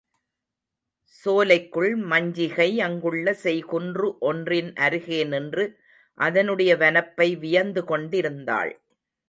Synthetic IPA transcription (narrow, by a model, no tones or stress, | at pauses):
soːlɐɪkːɯɭmɐɲd͡ʒɪɣɐɪɐŋɡɯɭːɐsɛjkʊndrɯʔɔndrɪnʔɐɾɯɣeːnɛndrɯ | ʔɐðɐnɯɽɐjɐʋɐnɐpːɐɪʋɪjɐɾnd̪ɯkɔɳɖɪɾɯnd̪a̰ːɭ